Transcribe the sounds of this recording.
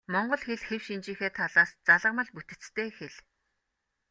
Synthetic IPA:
mɔɴɢɞ̆ɮxeɮxewʃint͡ɕiːŋxeːt̪ʰɔɮaːst͡saɮʁə̆qmə̆ɮput̪ɘ̆t͡st̪ʰeːxeɮ

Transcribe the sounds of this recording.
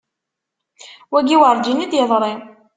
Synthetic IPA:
wæɡiwəɾˤd͡ʒinid̪jəðˤɾˤem

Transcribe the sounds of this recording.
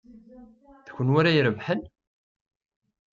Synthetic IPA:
θçʷənwæɾajɾəvħən

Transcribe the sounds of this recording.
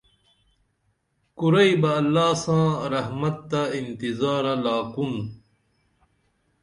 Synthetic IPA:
kuɾɐibɐːlːaːsãːɾɐhmɐt̪ːɐint̪izaːɾɐlaːkun

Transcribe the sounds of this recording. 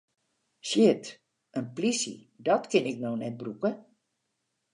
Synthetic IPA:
sjɪt | ənplisḭ | dɔtkɪnɪknownɛt̚brukə

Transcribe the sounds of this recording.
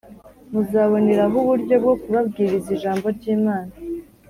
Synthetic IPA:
muzaːβo̞neɾaɦuβuɾɟo̞bɡo̞kuβabɡiːɾiziʒaːmbo̞ɾɟiːmaːna

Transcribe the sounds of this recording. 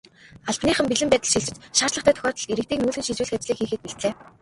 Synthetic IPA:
aɮpniːχə̆mpiɮɘ̆mpæːt̪ə̆ɮʃiɮɘ̆t͡ɕʃaːʃɮə̆χt̪ʰæːt̪ʰʊ̥xʲɔːt̪ɞ̆ɮeɾɘ̆k̚t̪iːknuːɮɣɘ̆nʃit͡ɕuːɮxæt͡ɕɮiːkxiːxɘːt̪̚piɬt̪ɮeː

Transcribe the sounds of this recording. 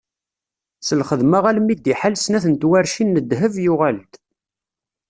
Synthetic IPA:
səlχəðmaʁælmid̪iħalsnæθənt̪wæɾʃinːəd̪ɦəvjʊʁælt̪

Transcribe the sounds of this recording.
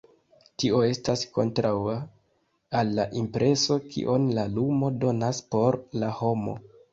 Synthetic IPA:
tio̞e̞stasko̞ntɾawaː | lːaʔimpɾʔe̞so̞kʰḭʔo̞nlalumo̞do̞naspo̞ɾlaho̞mo̞̰

